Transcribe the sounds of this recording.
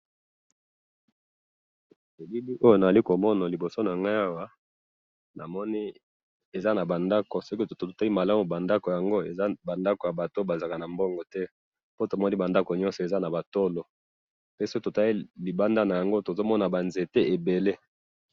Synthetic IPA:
e˨bi˦li˦ʔo˦jo˦na˨za˨li˦ko˨mɔ˦na˨li˨bo˨so˦na˨ŋɡa˦ja˦wa˦ | nʔa̰˨mɔ˦ni˦ | e˨za˦na˨ba˨nda˦ko˨so˦ki˦˨to˨ta˦i˦ma˨la˦mu˨ba˨nda˦ko˨ja˨ŋɡo˦e˨za˦ba˨nda˦ko˨ja˨ba˨to˦ba˨za˨ka˨na˨mbɔ˦ŋɡɔ˨tɛ˦ | po˦to˨mɔ˦ni˦ba˨nda˦ko˨ɲɔ̃˦nsɔ˨e˨za˦na˨ba˨to˦lo˨ | pe˦so˦ki˦to˨ta˦i˦li˨ba˦nda˦na˨ja˨ŋɡo˦to˨zo˦mɔ˦na˨ba˨nze˨te˦ʔe˨be˨le˦

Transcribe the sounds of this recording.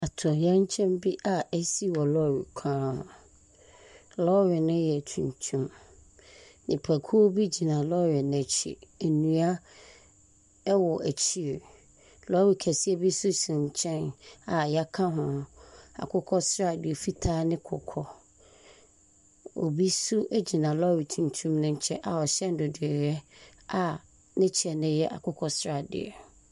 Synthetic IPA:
a˨tʰʊ˨jɛ̃˦ɲ˦t͡ɕʰɛ̃˦mbi˦ʔa˨ɛ˦si˦wɔ˨lɔ˦˨ɾḭ˨kʷʰãː˦ʊ̃˨ | lɔ˦ɥɛ˨nʊ̃˦jɛ˨tʰũ˨ɲ˨tʰũ˦m | nɪ̃˨pʰæ˨kʰu˦o˦bi˦d͡ʑi˨nã˨lɔ˦ɥɛ˨ñ˨ɛ˨t͡ɕʰḭ˨æ˨nũ˨a˦ | wɔ˨ʔæ˨t͡ɕʰi˦˨ | lɔ˦ɾi˨kʰæ˨si˦ɛ˦bi˦sʊ˦sĩ˨ɲ˨t͡ɕʰɛ̃˦na˨ja˦kʰã˦ɦʊ̃˨a̰˨kʰʊ˦kʰɔ˦sɾa˦˨dɪ˨ɛ˨fi˦tʰaː˦nɪ̃˦kʰʊ̰˨kʰɔ˦ | o̰˨bi˦su˦ʔæ˦d͡ʑi˨nã˨lɔ˦wi˨tʰũ˨n˨tʰũ˦mnʊ̃˦ɲ˦t͡ɕʰɛ˦ʔa˨ɔ˨ɕɛ˦n˦dʊ˨dɪ˨ɛ˨ɾɛ˦a˨ | nɪ̃˦t͡ɕʰi˨ɛ˨nɪ̃˦jɛ˦ʔa̰˨kʰʊ˦kʰɔ˦sɾa˨dɪ̰˨ɛ˨

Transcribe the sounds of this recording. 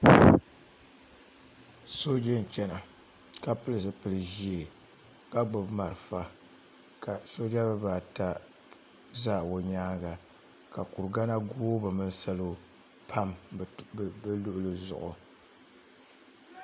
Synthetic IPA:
so˦d͡ʒa˦n˨t͡ʃɛ˦na˨ | ka˦pɨ˦lɨ˨sɨ˨pɨ˨lɨ˨ʒi˦e˨ | ka˦ɡ͡bʊ˨bma˨ɾɨ˨fa˦ | ka˨so˦d͡ʒa˦bɨ˦baː˨ta˦ | zaː˦˨o˨ɲaː˦ɡa˨ | ka˨ku˨ɾɡa˦na˦ɡoː˦bɨ˨mɨ˦n˦sa˦lo˦ | pʰa˦m˨ | bɨ˦lʊ˦ʔʊ˦lɨ˨zʊ̰˨ʔʊ̰˨

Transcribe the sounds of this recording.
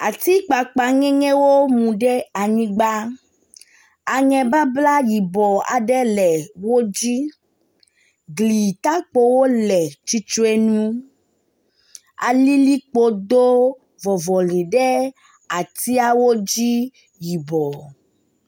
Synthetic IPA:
a̰˨t̪i˦k͡pa˨k͡pa˨ŋɛ̃˦ŋɛ̃˦wo˦mũ˨ɖɛ˦a˨ɲĩ˦ɡ͡ba˦ | a˨ŋɛ̃˨ba˦bla˦ji˨bɔ˨a̰˨ɖɛ˦lɛ˨wo˦d͡ʑi˦ | ɡli˨t̪a˦k͡po˦wo˦lɛ˨t͡ʃi˦t͡ʃo˦e˦nũ˦ | a̰˨li˦li˦k͡po˦d̪o˦ | vɔ˨vɔ˨li˨ɖɛ˦ | a˨t̪i˦a˦wo˦d͡ʑi˦ | ji˨bɔ˨

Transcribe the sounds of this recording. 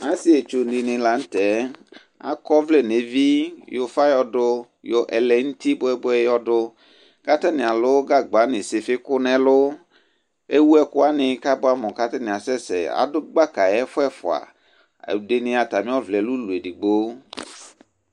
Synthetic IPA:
ã˦si˦e˨t͡ʃo˨ndi˨nɪ̃˨la˨n̩˦t̪ɛ˨˦ | a̰˦kɔ˦vle˦ne˨vi˦jo˨fa˦jɔ˦dʊ˦ | jo˨ʔɛ˨lɛ˨ŋ̩˦t̪i˦bʊ˦ɛ˦bʊ˦ɛ˦jɔ˦ɖʊ˦ | ka˦t̪a˦nɪ̃˨a˨lʊ˦ɡa˦ɡ͡ba˨˦nɪ̃˨sɪ˨fɪ˦kʊ˦nɛ̃˨lʊ˦ | e˦wu˦ɛ˦kʊ˦a˦nɪ̃˨ka˦bʊ˦a˨mɔ̃˨ka˦t̪ɛ˦nɪ̃˨a˨sɛ˦sɛ̰˨a̰˨dʊ˦ɡ͡ba˦ka˨jɛ˦fʊ˦ɛ˦fʊ˨a̰˨ | de˨nɪ̃˦a˨t̪a˨mĩ˦ɔ˦vlɛ˨lu˦lu˨e˨di˨ɡ͡bo˦

